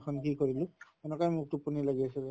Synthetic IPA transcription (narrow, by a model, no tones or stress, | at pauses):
xʰɔnkikoɹilʊ̃ | ɛnɛkɔjmʊk̚tupunilaɡiasɛ